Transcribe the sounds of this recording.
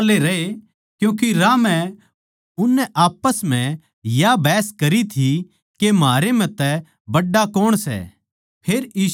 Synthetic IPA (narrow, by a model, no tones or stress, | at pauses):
leɾɐɦe | kjũːk̬iɾamɛ̃ | ʊnːɛʔaːpəsm̤ɛ̃ | jabɛːskɐɾit̪ʰi | kemaːɾem̤ɛ̃t̪ɛ | bɐɖːakoːɽ̃sɛ̰ | pʰeːɾiː